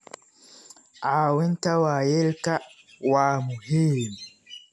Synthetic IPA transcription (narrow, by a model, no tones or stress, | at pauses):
ʔawɪntawaːjɛlka | waːmʊhim